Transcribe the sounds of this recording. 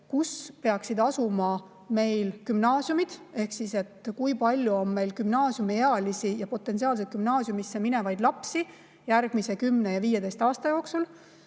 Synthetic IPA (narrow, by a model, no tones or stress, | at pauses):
kuspe̞ɑksid̪̥ɑsumɑ | me̞jlkymnɑːsjumid̪̥e̞hksise̞t̪kujpɑlʲjuo̞nme̞jlkymnɑːsjumeeɑlisijɑpo̞t̪ːˑe̞nsiɑːls̬et̪kymnɑːsjumisːemine̞vɑjd̪lɑpsi | jærɡ̥mise̞kymnejɑviːje̞d̪e̞jst̪ɑːst̪ɑjo̞ːksul